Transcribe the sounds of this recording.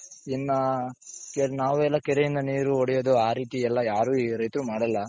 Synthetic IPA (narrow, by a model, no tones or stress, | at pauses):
inːɐkenaːʋuɛlːɐkɛɾejind̪ɐniːɾuoɽɛjoːd̪uaːɾiːt̪iɛlːɐjaːɾuːɾɐjt̪ɾumaːɽɐlːɐ